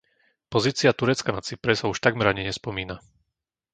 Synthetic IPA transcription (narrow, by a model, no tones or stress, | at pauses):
pɔziːt͡siat̪uɾɛt͡skanat͡sipɾɛsauʃt̪aɡmɛɾaɲɛɲɛspɔmiːna